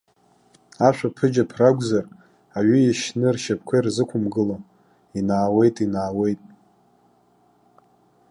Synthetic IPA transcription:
aʃʷᶣapʰɨd͡ʒapʰraɡʷzar | aɥʏiʃnɨrʃap̚ʰkʷʰarzɨkʷʰʊmɡɨlam | inaːwe̞jtʼinaːwe̞jtʼ

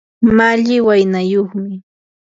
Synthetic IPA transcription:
maʎɪwajnajoχmɪ

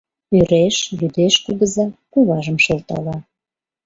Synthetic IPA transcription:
yɾeʃjyd̪eʃkuɣəzɑkuβɑʒəmʃelt̪ɑ̰lɑ

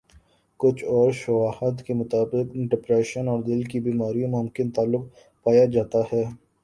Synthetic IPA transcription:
kʊt͡ʃʰɔːɾʃʊʋaːət̪kemʊt̪aːbɪqɖɪpɾɛːʃənɔːɾd̪ɪlkibiːmaːɾijõmʊmkɪnt̪aːlːʊq̚ | paːjad͡ʒaːt̪aɦɛː

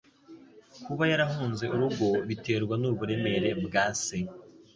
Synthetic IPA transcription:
kuβajaɾaɦuːnze̞ʔuɾuɡo̞βite̞ːɾɡwanuβuɾe̞me̞ɾe̞bɡaːse

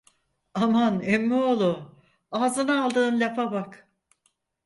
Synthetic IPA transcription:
amanɛmːiolˠu | aːzɯnaalˠd̪ɯːnlʲapʰabak

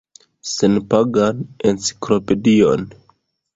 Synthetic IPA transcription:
senpaɡanent͡si̥klo̞pe̞dio̞n

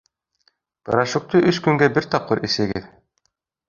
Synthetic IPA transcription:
pɤ̰̆ɾɑʃŭk̚t̪ɤʔɵskɵŋɡæbɘɾt̪ɑp̚qːɤɾʔesɘ̆ɡɘð

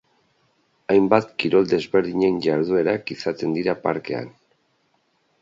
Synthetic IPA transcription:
ajmbat̪kiɾo̞ld̪e̞zβe̞ɾðiɲe̞nʝaɾð̞ue̞ɾakisat̪e̞nd̪iɾapa̰ɾke̞a̰n

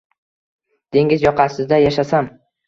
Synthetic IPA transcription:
d̪̥e̞ŋɪzjɒqʰɑsɪzd̪ajaʃasam

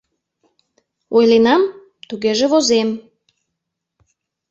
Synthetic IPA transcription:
ojlenɑm | t̪uɣeʒeβozem

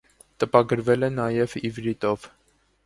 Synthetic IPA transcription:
t̪əpɑɡəɾvɛlɛnɑjɛvivɾit̪ɔv̥

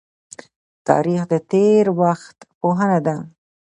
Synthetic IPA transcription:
t̪ɑ̰ɾixd̪ət̪eɾwaxt̪poɦənad̪a

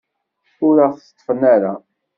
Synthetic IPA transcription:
ʊɾaθt̪ˤːfənaɾa

